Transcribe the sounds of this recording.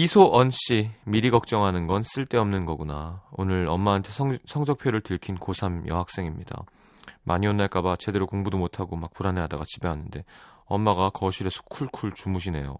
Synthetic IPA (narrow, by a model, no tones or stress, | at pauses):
isʰoʔʌnɕ͈imiɾiɡʌk̚t͡ɕ͈ʌŋɦanɯnɡʌns͈ɯɭt͈e̞ʌmnɯnɡʌɡunaonɯɾʌmːaːntʰe̞sʰʌŋsʰʌk̚pʰjoɾɯɭtɯɭkʰinkosʰamjʌ̰ɦak̚s͈e̞ŋimɲida̰ | mʔaɲionːaɭk͈abat͡ɕe̞de̞ɾokoŋbudomotʰaɡomak̚puɾane̞ɦadaɡat͡ɕibe̞ɦanɯnde̞ | ʌmːaɡakʌɕʰiɾesʰo̥kʰuɭkʰuɭt͡ɕumuɕ̬ʰine̞̰jo̰